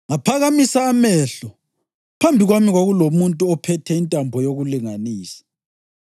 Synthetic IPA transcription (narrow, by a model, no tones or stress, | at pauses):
ŋapʰaɣamisaːmɛɬɔ | pʰambʱiɣwamiɣwaɣulomuntʼuɔpʰɛtʰɛintʼambʱɔjoɣuliŋaniːsḁ